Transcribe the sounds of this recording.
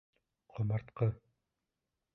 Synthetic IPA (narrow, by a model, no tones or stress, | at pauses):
qʰomɑɾt̪qɤ